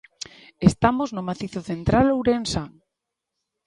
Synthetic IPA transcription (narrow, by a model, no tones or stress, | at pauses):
est̪amoznomaθiθoθent̪ɾalowɾensaŋ